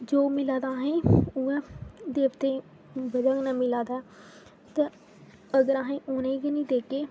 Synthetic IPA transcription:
d͡ʒoːmɪlãːd̪aːɦẽːuɛ̃d̪eːbt̪ẽː | bəd͡ʒaknaːmɪlãːd̪aː | t̪a | əɡəɾaːɦẽːʔoːnẽiɡinĩːd̪eːkeː

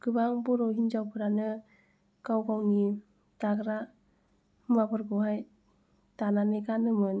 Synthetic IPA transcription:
kɯbaŋbɔɾɔɦind͡ʒawpʰɯɾanɯ | kawɡawni | taɡɾa | mabɯɾɡɯɦaj | tananɯɡanɯmɯn

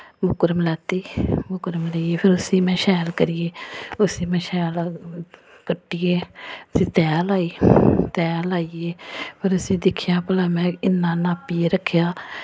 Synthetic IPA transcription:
mʊkɾəmlɛːt̪iːmʊkɾəmləieːpʰɪɾʊsiːmɛ̃ːʃɛːlkəɾɪjeːʊsiːmɛ̃ːʃɛːl | kəʈːiːeːʊsĩːt̪ɛːlaːiːt̪ɛːlaːieːpʰɪɾʊsĩːd̪ɪkʰːɪjaːpəlaːmɛ̃ːɪnːãːnaːpiːeːɾəkʰːjaː

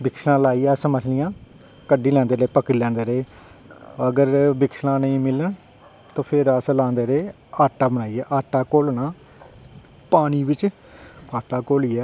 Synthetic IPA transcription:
bɪksnãːlaːiːɛːsəməsʰlɪjãː | kəɖiːlɛ̃ːnd̪eːɾeːpəkɾiːlɛ̃ːnd̪eːɾeː | əɡəɾbɪksnãːnəĩːmɪləɳ | t̪õːpʰɪɾəslãːnd̪eːɾeː | aːʈːaːbənaːiːɛːʔaːʈːaːkoːlnãː | paːñiːʋɪt͡ʃ | aːʈaːkoːliːɛː

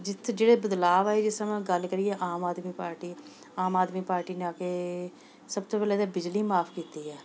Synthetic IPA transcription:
d͡ʒɪt̪ʰd͡ʒeːɽeːbəd̪laːʋaːed͡ʒɪsəmãːɡəlkəɾieːʔaːmaːd̪miːpaːɾʈiː | aːmaːd̪miːpaːɾʈiːneaːkeː | səbt̪oːpɛːlɛːd̪eːbɪd͡ʒliːmaːpʰkiːt̪iːɦɛː

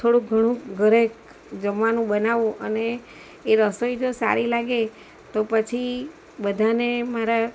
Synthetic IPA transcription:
t̪ʰoɽũɡʱəɽ̃ũɡʱəɾek | d͡ʒəmʋanũɓənaʋũʔəneː | ɾəsojd͡ʒosa̰ɾilaɡe | t̪opət͡ʃʰi | bəd̪ʱanemaɾa

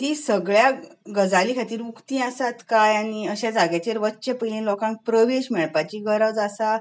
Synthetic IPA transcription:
t̪isəɡɭjaɡəd͡zaliːkʰat̪iːɾmukt̪ĩasat̪kajaɽ̃iəɕad͡zaɡjat͡ɕeɾʋətːɕepəlẽlɔkãŋk̚pɾəʋeɕmɛɭpat͡ɕiːɡəɾəʋd͡zasa

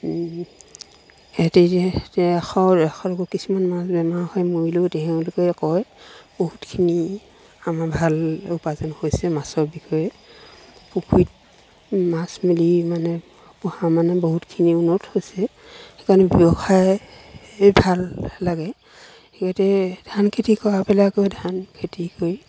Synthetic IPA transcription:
etetɛaxɔaxʰɔɹɔkɔkisumanmasbɛmahɔjmoilodɛɦɛ̃lukɛkɔjb̥oɦutkʰini | amabʱalupazanhojsɛmasɔɹbikʰɔjɛ | pukʰit̚ | masmilimanɛ | puhãmanɛboɦutkʰiniunɔthojsɛ | xekanɛbjɔbɔkʰaj | bʱalːaɡɛ | tʰikatɛdʱankʰetikɔapɛlaɡojdʱankʰetikoj

